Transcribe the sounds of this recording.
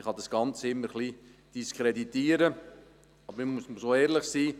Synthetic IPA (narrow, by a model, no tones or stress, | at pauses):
ɪχɑd̪ɑsɡ̥ɑnt͡sɪmːəɾχlid̥iskʰɾed̪it̪iːəɾə | ɑb̥əɾɪmusməsoːɛːɾlɪχsiː